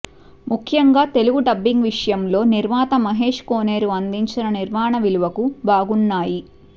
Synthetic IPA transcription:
mukʰːjɐŋɡaːt̪e̞luɡuɖɐbːiŋɡʋiʂɐjɐmlo̞ːniɾmaːt̪ɐmɐɦe̞ːʂkoːne̞ːɾuɐnd̪iɲt͡ʃinɐniɾmaːɳɐʋiluʋɐkubʱaːɡunːaːji

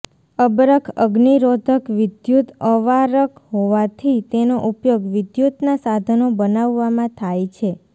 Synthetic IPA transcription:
əbɾəkʰəɡniɾod̪ʱəkʋɪd̪jut̪əʋaɾəkɦoʋat̪ʰit̪enoʔupjoɡʋɪd̪jut̪nasad̪ʱənobənaʋːamãt̪ʰajt͡ʃʰe

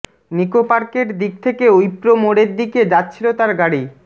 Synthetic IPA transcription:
nikopaɾkeʈd̪ik̚t̪ʰekeojpɾomoɽeɾd̪iked͡ʑatːɕʰilot̪aɾɡaɽi

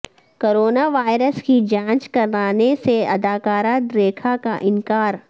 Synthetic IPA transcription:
koːɾoːnaʋaːɪɾəskid͡ʒãːt͡ʃkɐɾlaːneseɐd̪aːkaːɾaːd̪ɾeːkʰakaʔɪ̃nkaːɾ

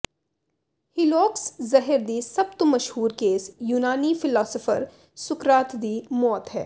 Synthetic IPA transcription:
hɪlɔːkszɐɦɪɾd̪iːsɐb̚t̪omɐʃhuːɾkeːsjuːnaːnifɪlɔːsəfə̰ɾ | sʊkɾaːt̪d̪iːmɔːt̪ɦɛ̰ː

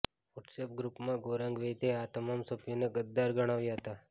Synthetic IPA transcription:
ʋɔʈsep̚ɡɾupmãɡoːɾãŋɡʋet̪eat̪əmaːmsɐbjoneɡəd̪ːaɾɡəɽ̃aːʋjaɦət̪a

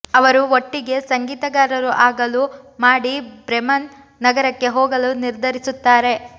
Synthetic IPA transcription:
ɐʋɐɾuoʈːiɡe̞sɐŋɡiːt̪ɐɡaːɾɐɾuʔaːɡɐlu | maːɽibɾemɐnː | ɐɡɐɾɐkːe̞ɦoːɡɐluniɾd̪ʱɐɾisut̪ːaːɾe̞

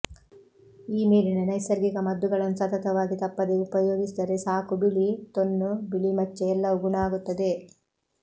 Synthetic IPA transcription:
iːmiːɾinɐnɐjsɐɾɡiɡɐmɐd̪ːuɡɐɭɐnːusɐt̪ɐt̪ɐʋaːɡit̪ɐpːɐd̪e̞upɐjo̞ːɡisid̪ɐɾe̞saːkubilit̪onːubiɭimɐt͡ʃːeɛlːɐʋuɡuɳaːɡut̪ːɐd̪e̞

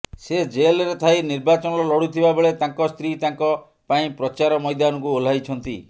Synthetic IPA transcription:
sed͡ʒelɔɾet̪ʰajniɾbat͡ʃɔnɔɾɔlɔɽut̪ʰibabeɭet̪aŋkɔst̪ɾit̪aŋkɔ | paĩpɾɔt͡ʃaɾɔmɔjd̪anɔkuol̤ajt͡ʃʰɔnt̪ḭ

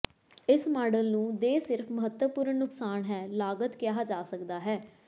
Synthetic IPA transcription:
ɪsmaːɖəlnũːd̪eːsɪɾpʰməɦət̪wəpʊɾəɳːʊksaːnɦɛːlaːɡət̪kjaːd͡ʒaːsəkd̪aːɦɛː

